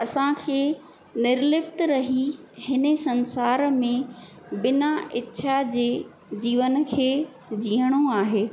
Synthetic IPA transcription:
ɐsãkʰeː | nɪɾlɪpt̪ɾɐɦihɪnəsɐ̃nsaːɾmẽ | bɪnaɪtːʃʰad͡ʑeː | d͡ʑiːʋən̆kʰeː | d͡ʑiːəɽ̃oaːɦeː

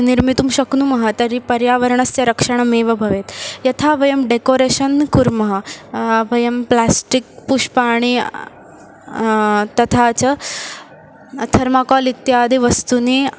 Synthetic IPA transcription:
niɾmit̪uːmɕɐknumɐɦɐt̪ɐɾipɐɾjaʋəɾɳɐst̪jaɾɐkʂəɳ̃ameʋɐbʱɐʋet̪jɐt̪ʰaʋɐjɐmɖekoɾeɕənkuɾmɐɦɐʋɐjɐmplasʈik̚puʂpaɽ̃i | t̪ɐt̪ʰat͡sə | t̪ʰɐɾmakɔlit̪jad̪ʱiʋɐst̪uni

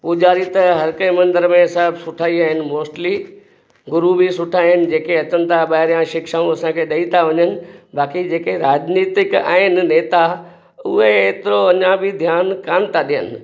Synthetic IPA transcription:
pʊd͡ʑaːɾit̪ɐɦɐɾkə̃mɐ̃nd̪əɾmẽsɐbsʊʈʰaːiaːɦɪnɪ̆moːsʈli | ɡʊɾubisʊʈʰaːɦɪnɪ̆d͡ʑeːkeɐt͡ɕənɪ̆t̪ʰaɓaːɪɾijãʃɪkʃaːũɐsãkʰeɗɐit̪ʰaʋɐɲənɪ̆baːkid͡ʑeːkeɾaːd͡ʑniːt̪ɪka̰ːɦɪnɪ̆neːt̪a | ʊɦeeːt̪ɪɾoɐɲãbɪd̪ʱjaːnkaːmt̪ʰaɗijə̰nɪ̆

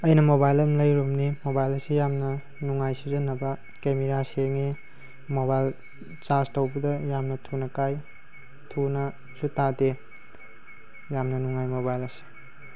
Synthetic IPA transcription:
ɐjnɐmobajlɐmlɐjɾumnimobajlɐsijamnɐ | nuŋajsidɐnɐbɐ | kemeɾaseŋe | mobajl | t͡ʃastɐwbɐdɐjamnɐtʰunɐkaj | tʰunɐ | sutade | jamnɐnuŋajmobajlɐsi̥

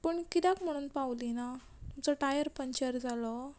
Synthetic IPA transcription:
pəɳkid̪akm̤əɽ̃uːnpawlina | t̪umt͡sɔʈajəɾpəɲt͡ɕəɾd͡zalɔ

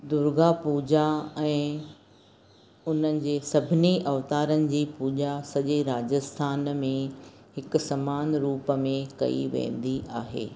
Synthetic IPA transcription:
d̪ʊɾɡapuːd͡ʑaɛ̃ː | ʊn̤ənɪ̆d͡ʑeːsɐbʱɪniʔɐʋt̪aːɾənɪ̆d͡ʑiːpuːd͡ʑasɐʄeɾaːd͡ʑəst̪ʰaːnmẽ | hɪkʊ̆sɐmaːnɾuːpəmẽkɐ̰ḭʋḛ̃ːn̆d̪iʔaːɦḛː

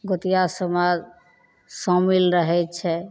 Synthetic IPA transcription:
ɡot̪ijasəmad͡ʒ | sɔ̃milɾəɦɛt͡ʃʰɛ

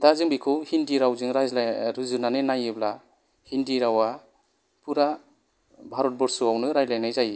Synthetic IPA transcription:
dazɯŋbikʰɯwhindiɾawzɯŋɾazɾɯzɯnanenajɯbla | hindiɾawa | pʰuɾa | bʱaɾɔt̚bɔɾsuawnɯɾajlajnajzaji

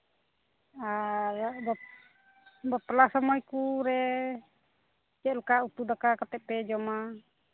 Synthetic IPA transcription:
abɔ | bɔp̪lasɔmɔjkuɾɛ | t͡ʃɛʔlkaut̪ud̪akakat̪ɛʔ̚pɛd͡ʒɔma

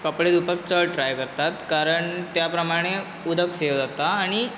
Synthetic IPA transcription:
kəpɽed̪upək̚t͡səʈɾajkəɾt̪at̪kaɾəɳt̪japɾəmaɽ̃e | ud̪ʱəkseʋd͡zat̪aːɽ̃i

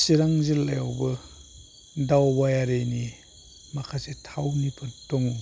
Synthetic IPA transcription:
siɾaŋzilːa̰jawbɐ | dawbajaɾejni | makʰasetʰawnipʰɯttɔŋu

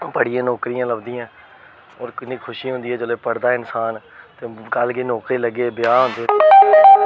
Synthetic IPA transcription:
pəɽɪjãːnɔːkɾijãːləbd̪iːãː | ɔːɾkɪnːĩːkʰʊʃiːɦʊ̃nd̪iːɛːd͡ʒoleːpəɽd̪aːɪnsaːn | t̪eːkəlkeːnɔːkɾiːləɡeːbjaːɦʊ̃nd̪eː

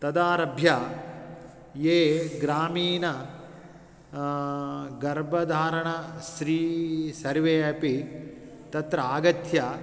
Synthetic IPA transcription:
t̪ɐd̪aːɾɐbʱjaː | jeːɡɾaːmiːnɐ | ɡɐɾbɐd̪ʱaːɾɐɳɐʃɾiːsɐɾʋeːɐpi | t̪ɐt̪ɾɐaːɡɐt̪ja

